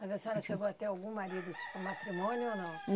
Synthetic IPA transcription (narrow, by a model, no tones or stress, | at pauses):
mazasãnɐ̃ʃeɡoat̪ɛawɡũmaɾid̪ut͡ʃi̥pumat̪ɾimõnjonɐ̃w̃